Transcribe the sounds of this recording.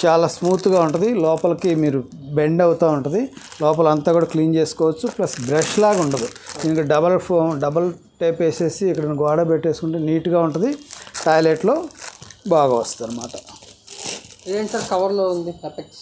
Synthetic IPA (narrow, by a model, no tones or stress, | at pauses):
t͡ʃaːlaːsmuːt̪uɡaːuɳʈɐnd̪ilɔːpɐlɐkimiːɾube̞ɳɖɐwut̪aːuɳʈɐnd̪ilɔːpɐlɐnt̪aːkuːɽaːkliːnt͡ʃeːskɔːʋɐt͡ʃːuplɐsbɾɐʃlaːɡuɳɖɐd̪ud̪iːnɐkɐɖɐbɐlpʰoːmɖɐbɐl | ʈeːpeːse̞ːsiːkːɐɽɐnuɡaːɽɐbeʈːeːsukuɳʈeːniːʈuɡaːuɳʈɐnd̪iʈɐjleːʈlo̞ːbaːɡɐʋɐst̪ɐːnɐmaːʈɐ̥ | ɐɳʈɐɾkɐʋɐɾloːund̪iɐpek